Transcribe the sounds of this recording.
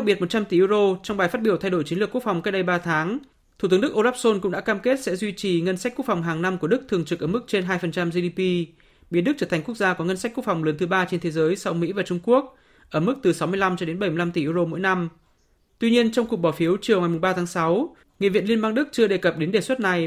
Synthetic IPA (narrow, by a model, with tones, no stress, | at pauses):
a˦˥k̚ɓi˨˩t̚mo˨˩t̚t͡ɕa˧mt̪i˨˩ʔɨ˧zo˧t͡ɕɔ˧wŋ͡mɓaː˨˩jfa˦˥t̚ɓi˧˩əwt̪ʰjɗo˧˩t͡ɕi˨˦nlɨ˨˩əku˦˥ək̚fa˨˩wŋ͡mka˦˥ɗə˧jɓaː˧t̪ʰaː˨˦ŋ | t̪ʰu˨˩ɨ˨˦ɗɨ˦˥k̚ʔo˧laː˦˥p̚so˧nkʊ̰˧˥ŋ͡mɗa̰ː˧˥kaː˧mke˦˥t̚sɛ̰˧˥zwi˧t͡ɕi˨˩ŋə˧nsa˦˥k̚ku˦˥ək̚fa˨˩wŋ͡mɦaː˨˩ŋna˧mku˧˩əɗɨ˦˥k̚t̪ʰɨ˨˩əŋt͡ɕɨ˨k̚əː˧˩mɨ˦˥k̚t͡ɕe˧nɦaː˧jfə˨˩nt͡ɕa˧mzi˧i˧pi˧ | ɓi˨˦ənɗk̚t͡ɕəː˧˩t̪ʰa˨˩ŋ̟ku˦˥ək̚zaː˧kɔ˨˦ŋə˧nsa˦˥k̟̚ku˦˥əkfwŋ͡mləː˨˦nt̪ɨ˨˦ɓaː˧t͡ɕe˧nt̪ʰe˨˦zəː˨˦jsa˧wmḭ˧˥vaː˨˩t͡ɕʊ˧ŋ͡mku˦˥ək̚ | ʔəː˧˩mɨ˦˥k̚t̪ɨ˨˩sa˨˦wmɨ˧əjla˧mt͡ɕɔ˧ɗe˨˦nɓə˧˩jm˧la˧mt̪i˨˩ʔɨ˧zo˧mo̰˧˥jna˧m | t̪wi˧ɲi˧ənt͡ɕɔ˧wŋ͡mkʊ˨˩k̚ɓɔ˧˩fi˨˦əwt͡ɕi˨˩əwŋa˨˩jmʊ˨˩ŋ͡mɓaː˧t̪ʰaː˨˦ŋsa˨˦w | ŋḭ˧˨vḭ˧˨nli˧ənɓaː˧ŋɗɨ˦˥k̚t͡ɕɨ˧əɗe˨˩kə˨˩p̚ɗe˨˦nɗe˨˩swə˦˥t̚na˨˩j